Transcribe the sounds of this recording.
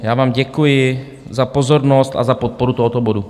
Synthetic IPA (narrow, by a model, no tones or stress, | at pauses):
jaːvaːmɟɛkujɪ | zapozoɾnost̪a̰zapot̪̚poɾut̪oɦot̪obodu